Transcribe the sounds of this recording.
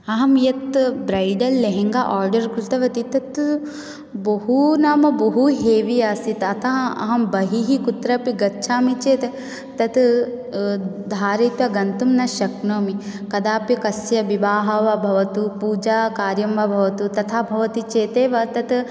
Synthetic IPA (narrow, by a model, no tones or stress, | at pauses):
ɐɦɐmjɐt̪bɾɐjɖɐlːeɦeŋɡaʔaːɾɖɐɾkɾut̪ɐʋɐt̪it̪ɐt̪ | bɐɦunaːmɐbɐɦuɦeːʋiaːsit̪ɐt̪ʰaɐ̰ɦɐmbɐɦiɦikut̪ɾɐpiɡɐtːʃʰaːmit͡ʃeːt̪ | t̪ɐt̪ | d̪ʱaːɾet̪ʋɐɡɐnt̪umnɐʃɐknɐːmikɐd̪aːpjɐkɐsjɐʋibaːɦɐʋɐbʱɐʋɐt̪upuːd͡ʒaːkaːɾjɐmʋɐbʱɐʋɐt̪ut̪ɐt̪ʰaːbʱɐʋɐt̪it͡ʃeːt̪eːʋɐt̪ɐt̪